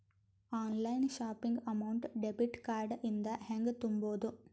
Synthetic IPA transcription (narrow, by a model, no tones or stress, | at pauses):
aːnlɐjnʃaːpiŋɡɐmɐwuɳʈɖebiʈkaːɾɖʔind̪ɐheŋɡt̪umboːd̪u